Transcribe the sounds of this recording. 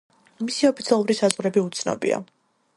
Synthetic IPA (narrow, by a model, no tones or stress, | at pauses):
misiɔpʰit̪sʰiɛlˠuɾisazʁɾɛbiut̪sʰnɔ̰bḭa̰